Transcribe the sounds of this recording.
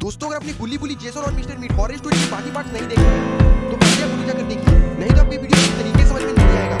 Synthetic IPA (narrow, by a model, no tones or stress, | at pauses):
d̪̥oːst̪õɐɡəɾɐpneɡʊlːibʊlid͡ʒeːsənɔːɾmɪsʈəɾmiːʈɔːɾesʈoːɖĩkibaːkipaːʈsnɐɦĩd̪eːkʰet̪oʔɐɖijaɡʊlid͡ʒakɐɾnekiḛnɐɦĩt̪oɐpneʋiːɖijoit̪ɐɾiːkesɐməd͡ʒʱmɐ̃nd͡ʒaliaːeːɡaː